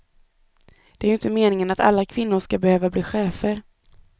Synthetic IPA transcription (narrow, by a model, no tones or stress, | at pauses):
d̪̥ɛæɾjʏnt̪əmeːnɪŋənat̪a̰lːakʰvɪnːʊʂkabɛhøːvabliːɧeːfəɾ